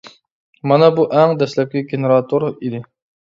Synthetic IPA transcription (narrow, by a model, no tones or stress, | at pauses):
mɑnɑbuʔɛŋd̪ɛslɛp̚ʲlʲiɡʲeneɾɑt̪ʰoɾid̪ɪ